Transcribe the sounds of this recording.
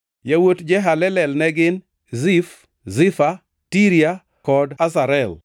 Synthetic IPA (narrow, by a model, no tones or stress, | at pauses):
jawotd͡ʒɛɦalɛlɛlnɛɡɪn | zif | zɪfa | tiɾja | kɔdasaɾɛl